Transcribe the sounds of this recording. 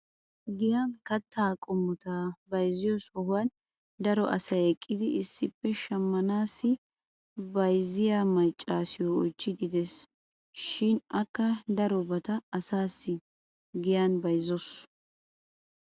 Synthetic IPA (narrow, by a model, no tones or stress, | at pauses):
ɡɪjankɐt̪ːaːkʼʊmːʊt̪aːbɐjzɪjɔsɔhʊwɐn | d̪ɐɾɔʔɐ̰sɐjɛkʼːɪd̪ɪʔɪsːɪpːɛʃɐmːɐnaːsːɪ | bɐjzɪjaːmɐjt͡ʃʼːaːsɪjɔɔjt͡ʃːɪd̪ɪd̪ɛs | ʃɪnɐkːɐd̪ɐɾɔbɐt̪ɐːsaːsːɪ | ɡɪjanbɐjzɔs